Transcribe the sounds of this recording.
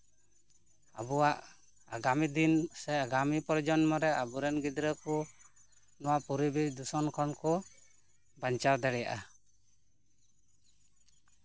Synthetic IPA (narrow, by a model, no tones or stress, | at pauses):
a̰bɔwaʔ | a̰ɡamid̪insɛjaɡamipɔɾd͡ʒɔnmɔɾɛabuɾɛnɡid̪ɾəku | nɔwapuɾibid̪usɔnkʰɔnkɔ | baɲt͡ʃaɾd̪ɛɽɛja̰ʔa